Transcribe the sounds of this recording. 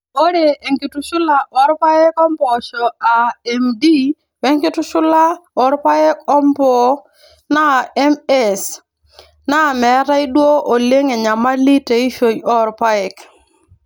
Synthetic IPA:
o˦ɾe˨e˨ŋki˨tu˦ʃʊ˦la˨ʔɔ˦ɾpa˦ɛ˦kɔ˦mpɔ˨ʃɔ˨a˨ɛ˨mdi˦ | wɛ˦ŋkɪ˦tʊ˦ʃʊ˦la˦ɔ˦ɾpa˦ɛ˦kɔ˦mpɔ˦ | na˦˨ɛ˦mɛ˦s | na˦˨mɛ˨˦ta˦i˦dwo˦o˨le˦ŋe˨ɲa˨ma˦li˦te˨i˦ʃo˨ɲɔ˦ɾpa˦ɛ˨k

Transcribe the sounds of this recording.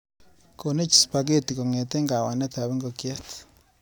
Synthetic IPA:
ko˨ne˦t͡ʃi̥˨spak̬e˦ti˨ko˨ŋe˨te˦ŋɡa˨wa˨ne˦ta˨βe˦ŋɡokje˦t

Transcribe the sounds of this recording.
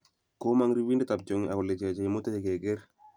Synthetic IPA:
ko˦ma˦ŋɾi˦wi˦ndɛ˦ta˨b̚t͡ʃo˦ŋa˨kʊ˨le˨t͡ʃa˨t͡ʃa˨mʊ˦ta˦e˨ke˨ɡe˦ɾ

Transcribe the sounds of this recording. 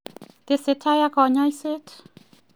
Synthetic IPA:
t̪e˧se˧t̪ʰa˧ja˧kʰɔ˧ɲɔ˧jse˦t

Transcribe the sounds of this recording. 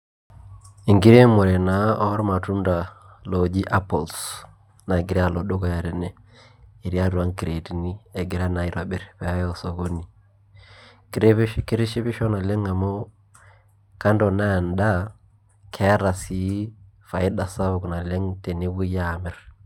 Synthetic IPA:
i˨ŋɡi˦ɾe˦mɔ˨ɾɛ˨na˨˦ɔ˦ɾma˨tu˦nda˨ | lɔ˨d͡ʒi˦ʔa˦pɔ˨ls | na˨ɡɪ˨ɾɛ˦a˨lɔ˨ɗo˦kɔ˨ja˨ɾɛ˨nɛ˨ | i˨ɾi˦a˦tu˨a˦ŋki˨ɾe˨ti˨ni˦ɛ˨ɡɪ˨ɾa˦na˨i˨ɾa˨ɓɛ˨ɾpɛ˨a˦jɔsɔ˨ko˦ni˨ | kɪ˦ɾɪ˦ʃi˦pɪ˦ʃɔ˦na˨lɛ˦ŋa˨mɔ˦ | ka˦ndɔ˨na˦˨nda˦ | kʰɛ˨˦ɾa˨si˨ | fa˨ɪ˦ɗa˨sa˦βʊ˨kna˨lɛ˦ŋtɛ˨ne˦wu˦ja˨mɛ˦ɾ

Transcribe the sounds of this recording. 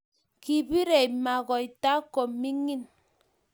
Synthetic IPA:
ki˨bi˦ɾe˨ma˨ɣɔ˨i˨ta˦ko˨mmi˦ŋi˦n

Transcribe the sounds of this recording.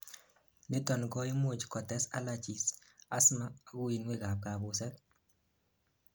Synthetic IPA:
ne˦tɔ˨nɡɔ˦i˦mo˨t͡ʃkɔ˨tɛ˦sa̰˦la˨t͡ʃi˨sa˦smaː˦˨ɡʊ˦i˨nwe˦ka˨p̚ka˨bʊ˨sɛ˦k

